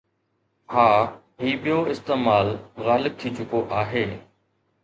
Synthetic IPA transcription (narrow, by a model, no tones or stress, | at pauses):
haː | ɦiːɓɪjoɪst̪eːmaːlɣaːlɪb̚t̪ʰiːt͡ʃʊkoʔaːɦeː